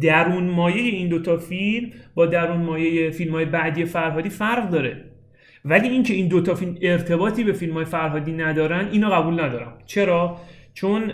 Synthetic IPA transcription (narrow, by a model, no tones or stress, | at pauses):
d̪æɾuːnmɒːje̞je̞iːnd̪ot̪ʰɒːfilmbɒːd̪æɾuːnmɒːjejefilmhɒːjebæʔd̪iːje̞fæɾɦɒːd̪iːfæɾʁd̪ɒːɾe̞ | væliːiːŋcʰe̞iːnd̪ot̪ʰɒːfilme̞ɾt̪ʰe̞bɒːt̪ʰiːbe̞filmɒːjefæɾɦɒːd̪iːnæd̪ɒːɾænd̪iːnɒːɣæbuːlnæd̪ɒːɾæmt͡ʃʰe̞ɾɒːt͡ʃʰon